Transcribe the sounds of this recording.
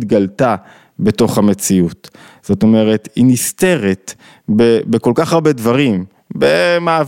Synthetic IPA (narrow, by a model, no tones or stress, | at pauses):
t̪ɡalta | be̞to̞χhamet͡siut̪ | z̥o̞to̞me̞ʁe̞t̪hiniste̞ʁet̪ | bebeko̞lkaχaʁbe̞dvaʁim | bemaːv